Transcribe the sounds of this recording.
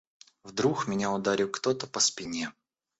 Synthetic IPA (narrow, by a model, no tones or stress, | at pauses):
vd̪ɾuxmʲɪnʲaʊd̪aɾʲikt̪ot̪əpəspʲɪnʲe